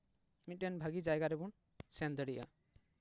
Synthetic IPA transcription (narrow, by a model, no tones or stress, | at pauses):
mit̪̚ʈɛnbʱaɡid͡ʒajɡaɾɛbun | sɛnd̪əɽiʔa̰